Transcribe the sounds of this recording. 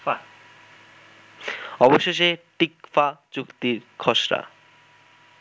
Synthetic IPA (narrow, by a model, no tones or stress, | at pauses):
ɔboʃeʃeʈikfat͡ɕukt̪iɾkʰɔʃɾa̰